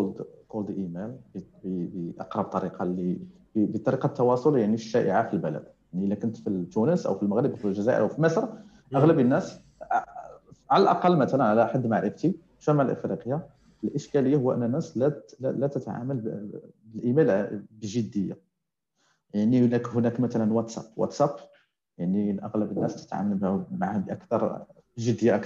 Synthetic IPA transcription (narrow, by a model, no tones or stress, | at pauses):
ld̪qold̪ʔimælbbbʔɑ̰qɾˤɑb̚t̪ˤɑɾiqɑli | bbit̪ˤɑɾiqɑt̪ːɑwɑsˤoljaʕniʃːæʔə̰ʕafilbəlæ̰d̪jaʕniəlːækʊnt̪fit̪ːunəsʔə̰wfilməɣɾəbfilʒæzæʔə̰ɾʔwfilməsɾ | ʔʔəɣləbənːæs | ʕaləlʔɑ̰qɑlːmæt̪ælənʕalæħad̪ːmaʕɾəft̪i | ʃæmaʕlʔə̰fɾiqəjːa | əlʔəʃkæləjːahʊwːæʔə̰nːænːæslæælæt̪ət̪ʕa̰məlbəlʔimælbəʒəd̪ːəjːa̰ | jaʕnihnækhʊnækmæt̪ælənwæt̪sæ̰pwɑ̰t̪sæp | jaʕniʔɑɣləbənːæst̪ə̥t̪ʕa̰məlbhmaʕahbʔækt̪ɑɾˤ | bʒəd̪ːəjaʔæk